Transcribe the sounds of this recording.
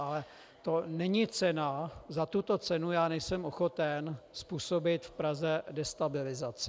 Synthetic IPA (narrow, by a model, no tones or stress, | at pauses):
alɛ | t̪o̞nɛɲɪt͡sɛnazat̪ut̪o̞t͡sɛnujaːnɛjsɛmoxot̪ɛnspuːsobɪt̪fpɾazɛdɛst̪abɪlɪzat͡sɪ